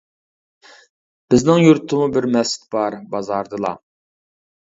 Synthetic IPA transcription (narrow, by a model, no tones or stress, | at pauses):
b̥ɪznɪŋjuɾt̪ʰɨmubɪɾmɛsɪ̥t̪̚b̥ɑɾbɑzɑɾd̪ɨlˠɑ̰